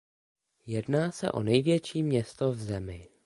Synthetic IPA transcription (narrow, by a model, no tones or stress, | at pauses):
jɛdnaːsɛ̰ʔo̞̰nɛjvjɛt͡ʃiːmɲɛst̪ovzɛmɪ